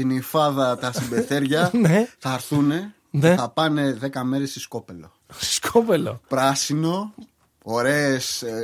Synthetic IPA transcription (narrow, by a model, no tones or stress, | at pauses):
inifɐðɐt̪ɐsibe̞θe̞ɾʝɐneθɐɾθune̞ | neθɐpɐne̞ðe̞kɐme̞ɾesisko̞pe̞lo̞̰ | si̥skʰopelo̰pɾɐsino̞ | oɾe̞ːs